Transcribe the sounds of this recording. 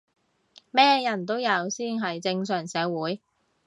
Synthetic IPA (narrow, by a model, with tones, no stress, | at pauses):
mɛː˥jɐ˨˩nt̪̬o˥wjɐ˨˧wsiː˥˩nɦɐ˨jt͡sɪ˧ŋsœː˨˩ŋsɛː˨˧˥wuː˨˧˥j